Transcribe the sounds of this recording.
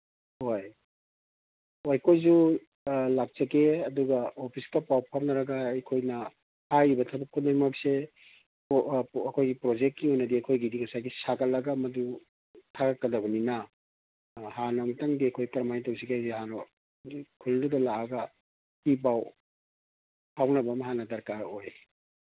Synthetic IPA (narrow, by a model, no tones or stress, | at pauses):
hoj | wajkʰojzu | lak̚t͡ʃɐkeɐduɡɐopʰiskɐpawpʰamnɐɾɐɡɐɐjkʰojnɐ | hajibɐtʰɐbɐkʰːutnɐimɐk̚se | ɐkʰojɡipɾod͡ʒekt̚ːiojnɐdiɐkʰojɡidiŋɐsajɡisaɡɐt̚lɐɡɐmɐdu | tʰaɡɐkːɐdɐbɐninɐ | hanɐmtaŋdiɐkʰojkɐɾmajtɐwsiɡajzeɦano | kʰuldudɐlaɐɡɐ | hip̬aw | hawnɐbɐmɐɦanɐdɐɾkaɾoj